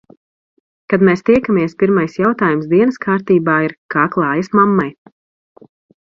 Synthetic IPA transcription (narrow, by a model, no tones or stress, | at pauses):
kad̪mɛːst̪iɛkamiɛspʲiɾmajsjawt̪aːjumsd̪iɛnɨskʰaːɾt̪iːbaːiɾkaːklˠɑːjɐsmamːaj